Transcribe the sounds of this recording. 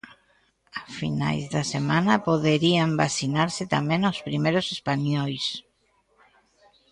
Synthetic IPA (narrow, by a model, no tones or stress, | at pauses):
afina̰jzðasemãnapoðeɾiambasinaɾsɪt̪amẽnawspɾimejɾosespaɲɔjs